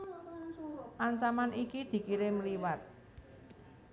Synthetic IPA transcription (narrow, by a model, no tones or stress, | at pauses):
ʔaɲt͡ʃamanikid̪̥i̤kiɾeməliwat̪̚